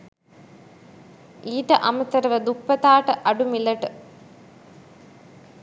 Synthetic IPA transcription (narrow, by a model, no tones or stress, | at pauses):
iːʈɐʔɐmɐt̪ɐɾɐʋɐd̪uk̚pɐt̪aːʈɐʔɐɖumilɐʈɨ